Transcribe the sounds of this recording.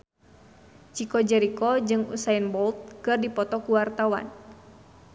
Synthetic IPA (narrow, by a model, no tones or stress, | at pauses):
t͡ʃikɔd͡ʒɛɾikɔd͡ʒɨŋṵsainbɔlt̪̚kɨrdipɔt̪ɔkuwart̪awa̰n